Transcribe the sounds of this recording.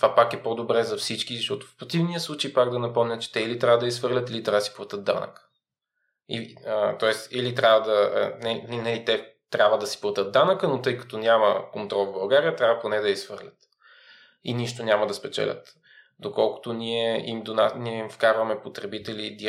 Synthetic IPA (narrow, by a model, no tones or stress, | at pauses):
t̪vapakɛpod̪obɾɛzɐfsit͡ʃkizɐʃt̪ɔt̪ʊ̥fpɾot̪ivnijəslˠut͡ʃɛjpakd̪ɐnɐpɔmnʲət͡ʃɛ̥t̪ɛilit̪ɾʲavəd̪ɐisfɤɾlʲət̪ilit̪ɾʲavəd̪si̥plˠɐt̪ɤd̪d̪a̰nə̰kə̥ | ḭət̪ɔɛst̪ilit̪ɾʲavəd̪ɐ̰nɛɛnɐlit̪ɛt̪ɾʲabvəd̪ɐsi̥plˠɐt̪ət̪̚d̪anəkənot̪ɤjkɐ̥t̪ɔnʲamə̰kont̪ɾɔlˠvbɐlˠɡaɾiət̪ɾʲavəponɛd̪ɐisvɤɾlʲət̪ | iniʃt̪onʲamɐd̪ɐspɛt͡ʃɛ̰lʲə̰t̪ | d̪okɔlˠko̥t̪onʲiɛimd̪onaniɛimfkaɾvɐmɛpot̪ɾɛbit̪ɛlid̪i